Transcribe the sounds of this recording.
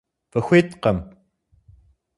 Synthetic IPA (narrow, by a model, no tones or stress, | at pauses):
pɨxʷeːt̪qɐm